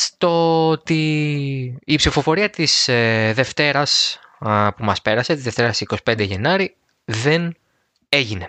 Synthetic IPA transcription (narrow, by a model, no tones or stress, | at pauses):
st̪ooot̪iː | psifo̞fo̞ɾiɐt̪isðe̞ft̪e̞ɾɐs | pumɐspe̞ɾɐse̞t̪izðe̞ft̪e̞ɾɐsiko̞si̥pe̞nd̪eʝe̞nɐɾi | ðe̞n | e̞ʝine̞